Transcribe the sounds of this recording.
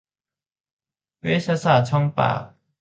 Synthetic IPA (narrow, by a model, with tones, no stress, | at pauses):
wwe˥˦ɕa˥sa˥˨t͡sʰɔ˥ŋpa̰˨